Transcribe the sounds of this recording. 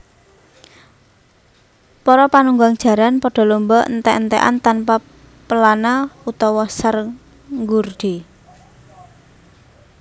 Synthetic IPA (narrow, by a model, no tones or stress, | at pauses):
pɔɾɔpanuŋɡaŋd̥ʒ̥ä̤ɾanpɔɖ̥ɔ̤lumbɔʔnt̪ɛʔnt̪ɛʔa̰nt̪anpa | pəlanaut̪ɔwɔsər | ŋɡurɖ̥i̤